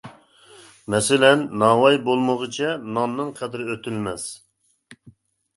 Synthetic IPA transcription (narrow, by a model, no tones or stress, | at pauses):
mɛsɪlɛnːɑwɑjbolˠməʁət͡ʃʰɛnɑnːɨnqʰɛd̪ɪɾøt̪ʰylmɛs